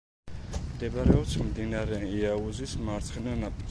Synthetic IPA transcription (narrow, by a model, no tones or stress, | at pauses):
md̪ɛbɾɛɔpt̪sʰmd̪inaɾɛiauzismaɾt̪sʰχɛnɔnap̪ʼi